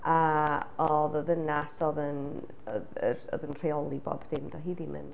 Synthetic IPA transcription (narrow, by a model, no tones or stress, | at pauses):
aɔðɔðənasɔðən | ɔðə̰rɔ̰ðənr̥eɔlˠibɔ̰b̥dɪmdɔɦiðimɨ̰n